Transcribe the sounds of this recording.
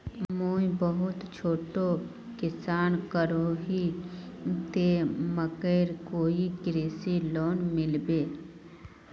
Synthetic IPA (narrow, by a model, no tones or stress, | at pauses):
moːĩbəɦʊt̪t͡ʃʰoːʈo | kɪsaːnkəɾoɦi | t̪eməkəːɾkoːiɡɾeːsiloːnmɪlbeː